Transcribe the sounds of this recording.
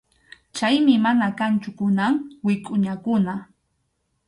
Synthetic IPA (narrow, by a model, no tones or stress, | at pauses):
t͡ʃajmɪmanakant͡ʃʊkʊnaŋwɪkʼʊɲakʊna